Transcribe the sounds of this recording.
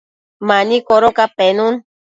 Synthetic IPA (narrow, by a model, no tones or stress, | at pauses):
maɲikoɾokapenun